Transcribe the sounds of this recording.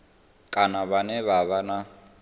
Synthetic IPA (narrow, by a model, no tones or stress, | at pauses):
kʼanaβanɛβaβana